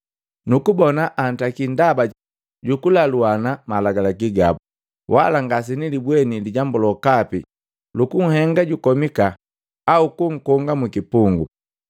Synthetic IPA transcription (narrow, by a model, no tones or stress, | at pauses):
nukubɔnaʔan̩takindaba | ɟukulaluanamalaɡalakiɡa̰bu | wʔa̰laŋɡas̬inilibwɛniliɟambɔlɔkapi | lukuŋ̩hɛŋɡaɟukɔmikaː | ukuŋ̩kɔŋɡamukipuŋɡṵ